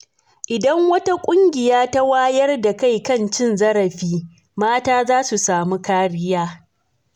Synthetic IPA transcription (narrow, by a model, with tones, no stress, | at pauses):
ʔɪ˨dɐ˦ŋwɐ˦ta˦kʷʼʊ˦ŋɡʲɪ˨jaː˦ta˦waː˦jɐ˦rda˨ka˦˨jkɐ˦nt͡ʃɪ˦nzɐ˦ɾɐ˨ɸiː˦ | maː˦taː˦zaː˦su˨saː˨mu˦kaː˦ɽɪ˦jaː˦